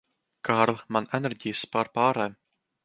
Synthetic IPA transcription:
kaːɾlˠmanɛnɛɾʲɟijspaːɾpaːɾɛː

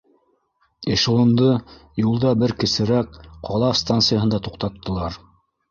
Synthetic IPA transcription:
iʃŏlˠɤ̆nd̪ɤjulˠd̪ɑbɘɾkɘ̆sɘ̆ɾæk̚qɑlˠɑfst̪ant̪sɨjaɦɤ̆nd̪ɑt̪uq̚t̪ɑt̪ːɤ̆lˠɑɾ

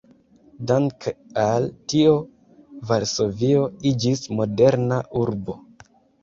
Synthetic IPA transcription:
daŋkaltio | vaɾso̞vio̞id͡ʒismo̞de̞ɾnaʔuɾbo̞̰

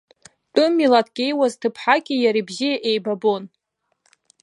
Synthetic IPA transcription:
tʼɨmːilatʰkʲʼejwaztʰɨpʰħakʲijaɾibzijaʔejbabon

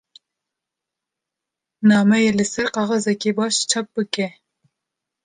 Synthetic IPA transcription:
nɑːmɛjelɨsɛɾqɑːʁɑzɛkʲebɑːʃt͡ʃʰɑp̚bɨkɛ

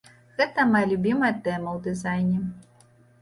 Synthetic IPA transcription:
ɣɛt̪ɐmɐjɐlʲubʲimɐjɐt̪ɛmɐwd̪ɨzajnʲɛ

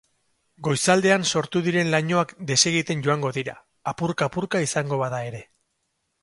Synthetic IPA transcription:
ɡo̞jsald̪e̞anso̞ɾt̪uðiɾe̞nlaɲo̞akd̪e̞se̞ɣ̞it̪e̞nɟo̞aŋɡo̞ðiɾa̰ː | puɾkaːpuɾkaisaŋɡo̞βaðae̞ɾe̞

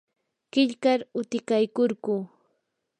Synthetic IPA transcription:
kɪʎkaɾʊt̪ɪkajkʊɾɢʊː

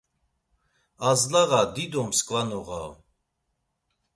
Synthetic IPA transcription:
azlaɣad̪id̪ɔmskʼvanɔʁa̰

